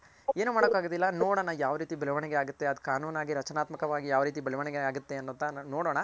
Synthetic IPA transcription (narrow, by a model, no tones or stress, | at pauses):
e̞ːnuːmaːɽokːaːɡod̪ilːɐnoːɽoːɳɐjaːʋɾiːt̪ibɐɭɐʋɐɳɛɡeaːɡut̪ːe̞ɐd̪kaːnuːnaːɡiɾɐt͡ʃɐnaːt̪mɐkɐʋaːɡijaːʋɾiːt̪̬ibɐɭɐʋɐɳɛɡeaːɡut̪ːe̞ɐnːunt̪ɐnnoːɽoːɳɐ